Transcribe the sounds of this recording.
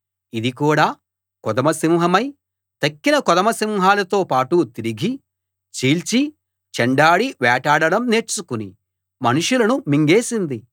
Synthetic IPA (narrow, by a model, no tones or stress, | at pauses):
id̪ikuːɽaː | kɔd̪ɐmɐsimɦɐmɐj | t̪ɐkːinɐkɔd̪ɐmɐsimɦaːlɐt̪oːpaːʈut̪iɾiɡʱi | t͡ʃiːlt͡ʃi | t͡ʃɛɳɖaːɽiʋɛːʈaːɽɐɽɐmne̞ːt͡ʃːukunḭ | mɐnuʂulɐnumiŋɡeːsind̪i